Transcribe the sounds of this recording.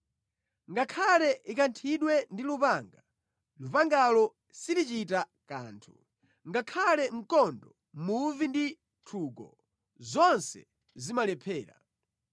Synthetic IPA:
ŋɡakʰalɛʔikantʰiɗwɛndilupaŋɡa | lupaŋɡalɔ | silit͡ʃita | ka̰ːntʰu̥ | ŋɡakʰalɛm̩kɔndɔ | muvindi | tʰuk̬ɔ | zɔnsɛ̰ | zimalɛpʰɛːɾa̰

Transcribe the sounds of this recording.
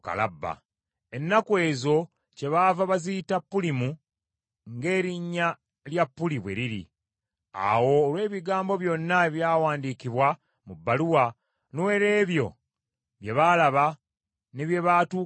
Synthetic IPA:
ka̰la̰bːa̰ | e̞nːakwe̞ːzo̞ | ce̞βavaβazitapːulimu | ŋɡe̞ːɾiɲːa | ljapːuliβwe̞̰ɾiɾḭ | a̰wo̞ːlwe̞ːβiɡaːmbo̞βjo̞nːaeβjaːwaːndikiβwa | mubːaluwa | noweɾe̞ːβjo̞̰ | βje̞βalaβa | neβje̞βatu

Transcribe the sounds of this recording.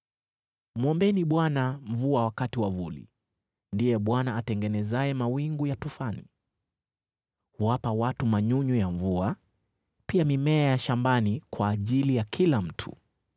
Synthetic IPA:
mɔmbɛniɓwanam̩vuawakatiwavulḭ | ndijɛɓwanaːtɛŋɡɛnɛzajɛmawiŋɡujatufanḭ | huwapawatumaɲuɲujaɱvua | piamimɛajaʃambanikwaːʄilijakʰilam̩tʰṵ

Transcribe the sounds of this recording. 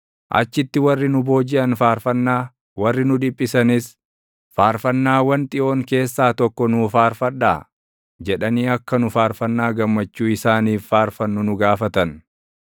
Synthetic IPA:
ʔɐ̰t͡ʃːɪt̪ːɪwɐrːɪnʊbo̞ːd͡ʒɪʔɐnfaːɾfɐnːaː | wɐrːɪnʊᶑ̪ɪpʼːɪsɐnɪs | faːɾfɐnːaːwɐnt̪ʼɪʔo̞ːŋke̞ːsːaːt̪ɔkːɔnʊfaːɾfɐᶑːa̰ː | d͡ʒɛᶑɐniːɐkːɐnʊfaːɾfɐnːaːɡɐmːɐt͡ʃːuːɪsaːniːffaːɾfɐnːʊnʊɡaːfɐt̪ɐn

